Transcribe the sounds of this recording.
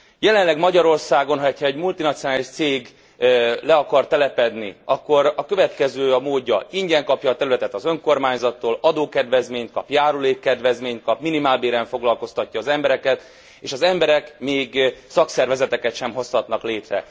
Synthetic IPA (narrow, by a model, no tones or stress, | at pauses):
jɛlɛnlɛɡmɒɟɒɾo̞rsaːɡo̞nɦɒcʰɒɛɟmult̪inɒt̪sionaːliʃt̪seːɡ | lɛɒkɒrt̪ɛlɛpɛd̪niɒkːo̞ɾɒkø̞vɛt̪kɛzøːɒmoːɟːɒiɲɟɛŋkɒpjɒːt̪ɛɾylɛt̪ɛt̪ɒzøŋko̞rmaːɲzɒt̪ːoːlɒd̪oːkɛd̪ʋɛzmeːɲt̪̚kɒpjaːɾuleːkːɛd̪ʋɛzmeːɲt̪̚kɒpminimaːlbeːɾɛɱfo̞ɡlɒlko̞st̪ɒcːɒːzɛmbɛɾɛkɛt̪ | ḛːʃɒzɛmbɛɾɛkmeːɡsɒksɛrvɛzɛt̪ɛkɛt̪ʃɛmɦo̞shɒt̪nɒkleːt̪rɛ̰